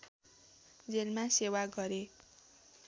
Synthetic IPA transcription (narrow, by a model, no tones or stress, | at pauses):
d͡zelmasewaɡʌɾe